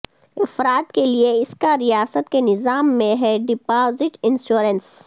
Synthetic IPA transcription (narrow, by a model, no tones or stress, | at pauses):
ɪfɾaːt̪kelieɪskaɾijaːsət̪kenɪzaːmːẽɦɛɖɪpaːzɪʈɪ̃nʃuːɾəns